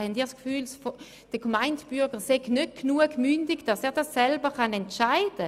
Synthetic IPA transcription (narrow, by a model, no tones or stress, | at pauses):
hɛndiːʁskfyːlsf | d̥əkmaɪndb̥yɡəseɡnøt̚knuəɡmyndɪɡd̥asɛːʁdasːɛlbəχɑnɛntʃaɪd̥ə